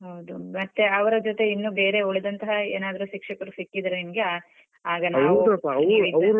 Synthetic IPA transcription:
ɦɐwd̪umɐt̪ːe̞ɐʋɐɾɐd͡ʒot̪e̞inːuːbe̞ːɾe̞oɭed̪ɐnt̪ɐɦɐeːnaːd̪ɐɾuʃikʂɐkɐɾusikːid̪ɐɾenimɡe | aːɡɐna | j̪ɾ

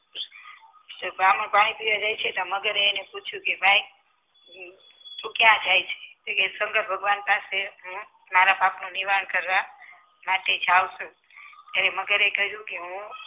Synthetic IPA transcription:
t̪əbam̃paɽ̃ipiʋad͡ʒajt͡ʃʰet̪oməɡəɾeneput͡ʃʰjũkebʱaj | t̪ũkjãd͡ʒajt͡ʃʰe̥kekesəŋɡəɾbʱəɡʋanpaseɦũ | maɾapapnũniʋaəɳkəɾʋa | maʈed͡ʒaʋʃũ | t̪jaɾeməɡəɾekəɦjũkeɦũ

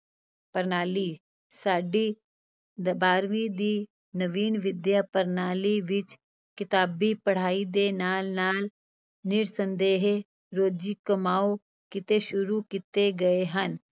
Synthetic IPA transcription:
pəɾnaːli | saːɖi | d̪baːɾʋid̪i | nɐʋiːnʋɪd̪japəɾnaːliʋɪt͡ʃ | kɪt̪aːbipɐɽ̤aːid̪eːnaːlnaːl | nɪɾsə̃nd̪eːɦe | ɾoːd͡ʒikɐmaːo | kɪt̪eʃʊɾukɪt̪eɡɐeɦɐn

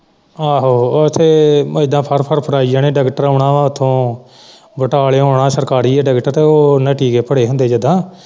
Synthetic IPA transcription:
aːɦoːt̪ʰeːɪd̪ãːpʰəɾpʰəɾpʰəɾaːiːd͡ʒaːnẽːɖəɡʈəɾoːɽãːaːʊt̪ʰːõː | bəʈaːleːɦoːɳãːsəɾkaːɾiːɛːɖɛɡʈəɾt̪eːoːnəʈiːkeːpəɽeːɦʊ̃nd̪eːd͡ʒəd̪ãː

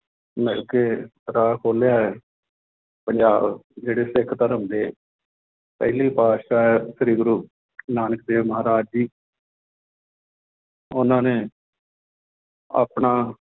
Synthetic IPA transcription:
mɛːlkeːɾaːkʰoːlejaːɛː | pəɲd͡ʒaːbd͡ʒeːɽeːsɪkʰt̪əɾəmd̪eː | pɛ̰ːɪliiːpaːʃaːɛsɾiːɡɾuː | naːnək̚d̪eːʋməɦaːɾaːd͡ʒiː | ʊnãːneː | a̰ːpɳaː

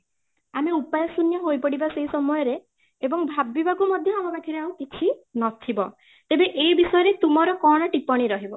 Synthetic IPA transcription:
ameupajɔsunjɔɦojpɔɽibaseɦisɔmɔjɔɾe | ebɔŋbʱabibakumɔd̪ʱjɔamɔbakʰiɾeawkit͡ʃʰinɔt̪ʰibɔ̰ | t̪ebeʔejbisɔjɔɾet̪umɔɾɔkɔɽ̃ɔʈipɔɽ̃iɾɔɦibɔ

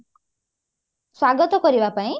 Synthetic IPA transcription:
swaɡɔt̪ɔkɔɾibapaĩ

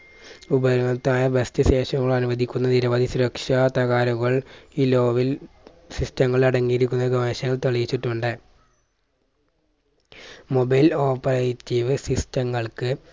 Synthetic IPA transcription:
ubɐɾɐnɐt̪ːaːjɐbest̪ɨɕe̞ːɕɐŋːɐɭɐnuʋɐd̪ʱikʲːunːɐniɾɐʋɐːd̪ʱisuɾɐkʂɐt̪ɐɣaːɾɐɣɐɭiːlo̞ːʋil | sistɐŋːɐɭɐɽɐŋːijiɾikʲːunːɐɡɐʋeːɕɐŋːɐɭt̪oɭijit͡ɕːiʈːuɳɖɨ | mobɐjlo̞ːpːɐrɐjitːiʋɨsistɐŋːɐɭkɨ

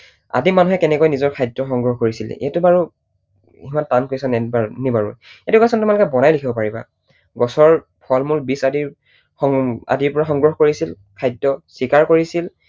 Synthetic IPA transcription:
a̰dimanuɦɛkɛnɛkojnizɔɹkʰajdɔxɔŋɡɹɔhkoɹisil̰ḭatubaɹu | imantankojsɔnɛbanibaɹṵjetukasɔntumalʊkɛbɔnajlikʰibɔpaɹiba̰ | ɡɔsɔɹ | pʰɔlmulbisadiɹ | ɔŋa̰diɹpɔɹaxɔŋɡɹɔxkoɹisil | kʰajdɔsikaɹkoɹisil

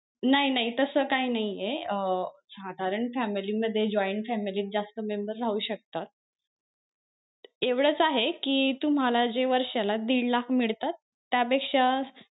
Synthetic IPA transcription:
naɦinaɦit̪əsəkainaɦijeəsad̪ʱaɾəɳfæmiliːməd̪ʱːjed͡ʑɔjɳʈfæmiliːt̪̚d͡zast̪əmembəɾːauːɕək̚t̪at̪̚ | eʋɽət͡saɦekiːt̪um̤alad͡ʑeʋəɾɕalad̪iɽlakmiɭt̪at̪ːjapekʂa

